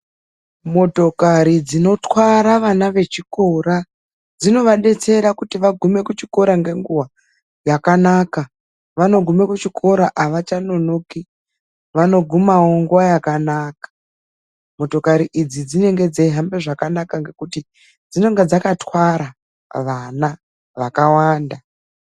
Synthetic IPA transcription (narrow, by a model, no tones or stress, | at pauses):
mo̞to̞kaɾid͡zino̞twaɾaʋanaʋe̞t͡ʃiko̞ɾa | d͡zino̞ʋaɗe̞t͡se̞ɾakutiʋaɡʱume̞kut͡ʃiko̞ɾaŋɡe̞ŋɡuwa | jakanaːka | ʋano̞ɡʱume̞kut͡ʃikʰo̞ɾaʔaʋat͡ʃano̞noki | ʋano̞ɡʱumawo̞ŋɡuwajakanaːkḁ | mo̞to̞kaɾiʔid͡zid͡zine̞ŋɡe̞d͡zeiɦambe̞ʐakanakaŋɡe̞kuti | d͡zino̞ŋɡed͡zakatwaɾa | ʋana | ʋakawaːnda